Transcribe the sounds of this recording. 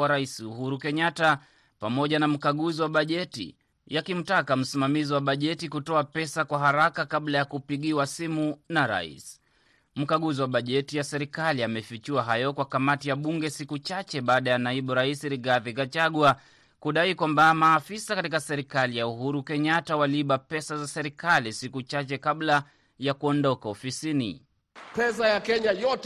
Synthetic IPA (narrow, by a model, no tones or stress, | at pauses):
aɾaisiuhuɾukɛɲata | pamɔʄanam̩kaɠuziwaɓaʄɛtḭ | jakim̩takam̩simamiziwaɓaʄɛtikutɔapɛsakwaɦaɾakakaɓlajakupiɠiwasimunaɾa̰ḭs | m̩kaɠuziwaɓaʄɛtijasɛɾikaliamɛfit͡ʃiwaɦajɔkwakamatijaɓuŋɡɛsikut͡ʃat͡ʃɛɓaːɗajanaiɓuɾaisiɾiɣaðikat͡ʃaɠwa | kuɗaikwambamaːfisakatikasɛɾikalijauɦuɾukɛɲatawaliɓapɛsazasɛɾikalisikut͡ʃat͡ʃɛkaɓla | jakuɔndɔkaɔfisinḭ | pɛsajakɛɲajɔt